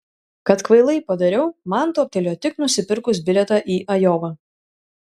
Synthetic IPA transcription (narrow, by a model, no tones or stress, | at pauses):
kɐt̪kʋɐɪlˠɐɪpɐd̪ɐɾʲɛʊmɐnt̪uːɔpʲt̪ʲɛlʲoːt̪ʲɪknʊsʲɪpʲɪɾkʊsbʲɪlʲɛt̪ɑːʔiːʔɐjɔːʋɐ